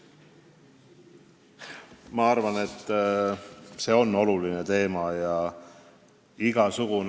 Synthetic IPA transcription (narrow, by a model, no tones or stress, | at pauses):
mɑɑrvɑne̞t̪ː | se̞ːo̞nːo̞luline̞t̪e̞ːmɑjɑ | iɡ̥ɑsuɡ̥un